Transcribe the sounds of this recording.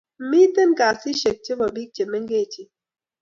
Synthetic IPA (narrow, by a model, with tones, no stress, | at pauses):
mi˦t̪e˦nkaː˨si˦ʃe˨k̚t͡ʃe˦bɔ˨bi˦k̚t͡ʃe˨me˦ŋɡe˦˨t͡ʃi˦